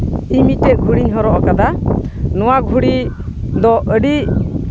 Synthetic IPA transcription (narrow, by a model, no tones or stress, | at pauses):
imitɛt̪̚ɡʱuɽiɲɦɔɾɔʔɔkad̪anɔwaɡʱuɽi | d̪ɔʔəɖi